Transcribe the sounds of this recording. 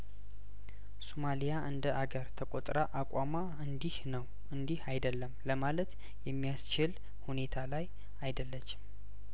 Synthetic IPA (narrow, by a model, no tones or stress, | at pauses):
somalijaʔɨnd̪əʔaɡəɾt̪ʰəkʼot̪ʼɾaʔakʷʼama | ɨnd̪ihnəw | ɨnd̪ihajd̪əlːəmləmalət̪ | jɛmːijast͡ʃɪl | hune̞t̪ʰalaj | ajd̪əlːət͡ʃːɪ̥m